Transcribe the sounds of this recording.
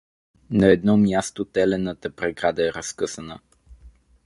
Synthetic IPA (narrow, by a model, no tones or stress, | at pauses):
nɐɛd̪nɔmjast̪ot̪ɛlɛnət̪əpɾɛɡɾad̪əɛɾəskɤsənə